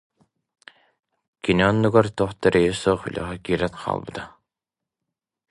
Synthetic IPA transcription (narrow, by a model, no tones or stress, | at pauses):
kiniɔnːuɡaɾt̪uːχt̪aɾɛjisuːχy̰lʔœ̰ʁɛkiːɾɛt̪qʰa̰ːlˠbɯ̰t̪a